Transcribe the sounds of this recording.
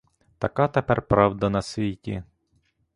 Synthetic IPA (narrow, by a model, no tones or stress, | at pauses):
t̪ɐkɑt̪epɛrpɾɑwd̪ɐnɐsʲʋʲitʲḭ